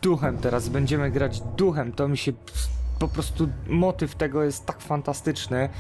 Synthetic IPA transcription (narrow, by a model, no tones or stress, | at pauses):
d̪̥uxɛmt̪ɛɾazbɛɲd͡ʑɛmɘɡɾad͡ʑd̪uxɛmt̪ɔmʲiɕɛ | pɔpɾɔst̪umɔt̪ɘft̪ɛɡɔjɛst̪ːakfant̪ast̪ɘt͡ʂnɘ